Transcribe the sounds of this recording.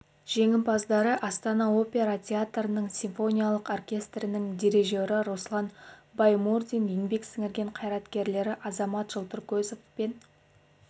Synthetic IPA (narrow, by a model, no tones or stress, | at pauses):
ʒ̥e̞ŋʲɪmpɑzd̪ɑɾəʔɑst̪ɑnɑo̞pʲe̞ɾat̪ʲʰe̞at̪rənəɴsʲiɱfo̞nʲijalˠəqo̞rkʲe̞st̪ɾɪnɪŋd̪ʲe̞ɾe̞ʒewɾɪɾoslˠɑnbɑjmurd̪injeŋbe̞ksɪŋɪɾɡʲe̞ɴqʰɑjɾɑt̪kʲe̞ɾle̞ɾɪʔɑzɑmɑt̪ʒ̥əlˠt̪əɾkʲɵzofpen